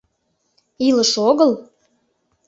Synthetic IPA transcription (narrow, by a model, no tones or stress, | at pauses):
iləʃoɣəl